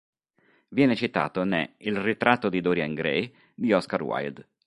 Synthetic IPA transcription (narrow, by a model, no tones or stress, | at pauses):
vjɛːnet͡ʃit̪a̰ːt̪onɛ̰ilrit̪ɾʔat̪ːod̪id̪ɔːɾjaŋɡɾɛ̰j | d̪iɔskarwa̰jd̪